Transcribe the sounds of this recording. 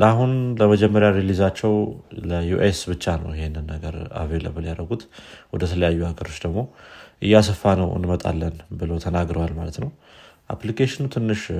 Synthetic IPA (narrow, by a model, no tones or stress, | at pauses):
aɦunləməd͡ʒɛmːəɾjaɾelizat͡ʃːɛwləjuʔesbɨt͡ʃːanə̰wjɪhenːɨnːəɡəɾa̰velə̰bəljaɾəɡut̪wɔd̪ət̪ʰələjajːuaɡəɾo̞t͡ʃːd̪əɡmo̞ʔɨjːas̬əfːanəwɨ̰nmət̪ʼa̰lːənbɨləwt̪ʰənaɡɾəwalmalət̪nəwʔa̰plikʰeʃɪnut̪ʰɨnːɨʃ